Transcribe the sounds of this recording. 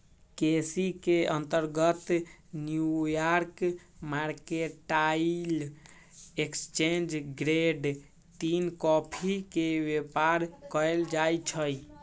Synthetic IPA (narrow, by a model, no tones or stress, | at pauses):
kesikeə̃nt̪əɾɡət̪njujaɾkmaɾkeʈail | ekst͡ʃend͡ʒɡɾeɖ | t̪inkɔpʰikebepaɾkəeld͡ʒajt͡ʃʰəj